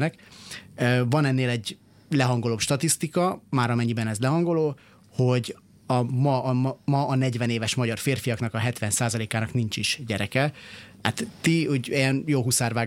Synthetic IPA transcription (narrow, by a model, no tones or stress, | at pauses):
nɛkøːvɒnɛnːeːlɛɟ | lɛɦɒŋɡo̞loːpʃt̪ɒt̪ist̪ikɒmaːɾɒmɛɲːibɛnɛzlɛɦɒŋɡo̞loː | ho̞ɟ | ɒmɒʔmɒʔːnɛɟvɛneːvɛʃmɒɟɒrfeːrfijɒkn̪ɒkɒɦɛt̪ʋɛnsaːzɒleːkaːnɒknint͡ʃiʃɟɛɾɛkɛat̪t̪ihoɟɛjɛnjoːɦusaːrvaː